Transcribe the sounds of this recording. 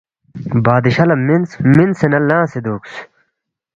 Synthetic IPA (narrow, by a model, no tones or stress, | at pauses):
baːd̪iɕɐlɐminsminsenɐlːãːsed̪oːks